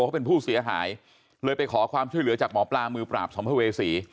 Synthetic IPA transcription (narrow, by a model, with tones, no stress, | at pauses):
kʰa˥˩pe˧npʰuː˥˩si˨˩˦ɐɦa̰ː˩˦j | ləː˧jpa˧jkʰɔː˩˦kʰwaː˧mt͡ɕʰu˥˩əjlɯ˩˦ɐt͡ɕaː˨˩k̚mɔː˩˦plaː˧mɯː˧pɾa̰ː˨˩p̚sɔ˩˦mpʰa˧˩weː˧siː˩˦